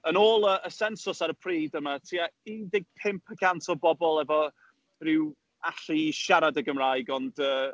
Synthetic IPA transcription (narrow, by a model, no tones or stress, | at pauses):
ənoːlˠəʔəsɛnsʊsaɾəpʰriːdəmatʰiaiːdɪɡ̚pʰɪmpʰəkʰantʰɔbɔbɔlˠɛvɔ | rɪw | aɬiiʃaɾadəɡəmrajɡɔndəː